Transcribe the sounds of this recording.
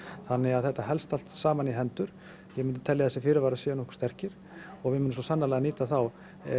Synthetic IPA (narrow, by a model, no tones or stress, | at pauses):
θanːɪɣaðθɛht̪ːaɦɛlst̪al̥t̪saːmaniɦɛnt̪ʏɾ̥ | jɛmʏnt̪ɪ̥t̪ʰɛljaθɛsɪfɪːɾɪɾvaːɾasɛːanɔhkst̪ɛr̥cɪɾ̥ | ɔɣvɪmʏnːmnsɔsanːalaɣaniːt̪aθaw